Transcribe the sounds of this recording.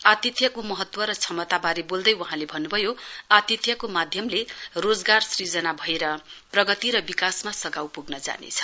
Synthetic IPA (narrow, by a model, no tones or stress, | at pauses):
at̪it̪ʰjʌkomʌɦʌt̪wʌɾʌt͡sʰʌmʌt̪abaɾebold̪ʌjwʌɦãlebʱʌnːubʱʌjoat̪it̪ʰjʌkomad̪ʱjʌmlerod͡zɡarsrid͡zʌnabʱʌeɾʌprʌɡʌt̪iɾʌbikasmasʌɡawpuɡnʌd͡za̰nḛt͡sʰʌ̥